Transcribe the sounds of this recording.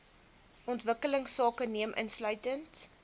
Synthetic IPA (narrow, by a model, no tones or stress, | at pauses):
ʔɔntvəkələŋsɑːkəniəmʔə̰nslœɥtənt